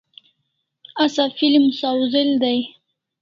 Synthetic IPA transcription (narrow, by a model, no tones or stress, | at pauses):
asafilimʊsawzɪld̪aj